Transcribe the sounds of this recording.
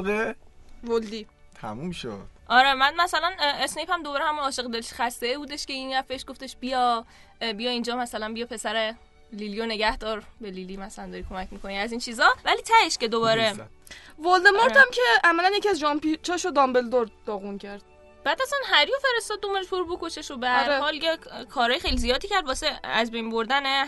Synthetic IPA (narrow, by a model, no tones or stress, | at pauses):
ʁevold̪i | t̪ʰæ̰mumʃo̰d̪̥ʔɒɾemænmæsælænesnejphæmd̪oɒːɾehæmunɒːʃeɣd̪elʃxæst̪e̞ebuːd̪e̞ʃce̞injæfbeʃɡ̥o̞ft̪e̞ʃbijɒ | bijɒind͡ʒɒːmæsælænbijɒːpʰe̞sæɾe | lilijone̞ɟæhd̪ɒːɾbelilimæsæænd̪ɒɾikʰo̞mæcʰmikʰo̞niæziːnt͡ʃʰizɒvæliːt̪ʰæheʃce̞d̪obɒːɾevold̪emoɾt̪ʰæmcʰeæmælænjeciæzʒɒmpit͡ʃʰɒːʃod̪ɒmbeld̪ɔɾd̪̥ɒːɣuncʰæɾd̪̥̚ | b̥æd̪æsɒnɦæɾjofe̞ɾe̞st̪ɒːd̪̚ːomeɾeʃboɾubokoʃeʃobehæɾehɒːljekʰɒːɾɒːjexe̞jlizijɒːd̪iːcʰæɾd̪bɒːseæzbejnboɾd̪æne